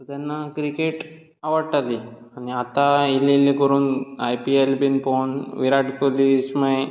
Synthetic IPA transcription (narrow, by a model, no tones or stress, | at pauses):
t̪anːakɾikeʈ | aʋəɾʈali | aniat̪aililːikoɾunajpielbinponʋiɾaʈkolismej